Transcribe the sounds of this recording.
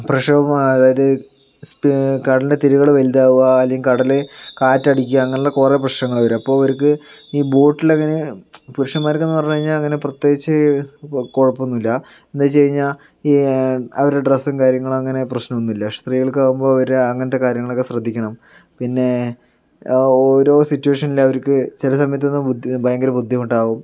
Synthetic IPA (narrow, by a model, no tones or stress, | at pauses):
prɐʂɐɐmɐðaːjɐðɨ | spkɐɽɐlindet̪iɾuɣɐɭʋɐld̪aːʋuaːlːejɐmkɐɽɐlekaːtːɐɽikʲːuɐɐŋːɐneɭːɐkureprɐɕnɐŋːɐɭɐʋɐɾɐpːo̞ːɭoɾuk̬ːɨ | iːboːʈːilɐŋːɐne̞puɾʂɐmaːjɾkːenːɨpɐrɐɲːuɣɐiɲːaːlɐŋːɐneprɐt̪jeːɡit͡ɕːɨ | koɻɐpːonːilːɐ | end̪at͡ɕe̞jiɲːaːl | iːɐʋɐɾeɖresɐŋkaːɾjɐŋːɐɭumɐŋːɐne̞prɐɕnɐmonːilːɐʂst̪riːɣɐɭkɨaːɣumbo̞ːɭɐʋɐɾeɐŋːɐnɐt̪̬ːe̞kaːɾjɐŋːɐɭokːe̞srɐd̪ʱːikʲːɐɳɐm | pinːe̞ | oːɾo̞ːsitːueːʂɐnilɐʋɐɾukːɨt͡ɕilɐsɐmɐjɐt̪ːenːɨbʱɐjɐŋɡɐɾɐbud̪ʱːjimuɳʈːɖaːʋum